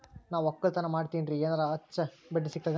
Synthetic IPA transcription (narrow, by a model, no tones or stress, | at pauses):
naːʋɔkːɐɭt̪ɐnɐmaːɽt̪inɾieːnaɾɐɐt͡ʃːɐbɐɖːisikːaːɡ